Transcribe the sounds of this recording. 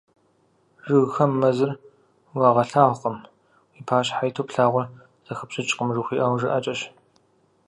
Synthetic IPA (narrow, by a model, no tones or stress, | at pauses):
ʐʒɨɣxɐmːɐzɨr | wɑːʁɐɬaːʁqəm | wiːpʰaːɕħajtʰoːpɬaːʁʷʊr | z̥ɐxəpɕʼɪt͡ʃʼqʼəmʐɨxʷiːʔawʒɨʔɐt͡ʃʼɐɕ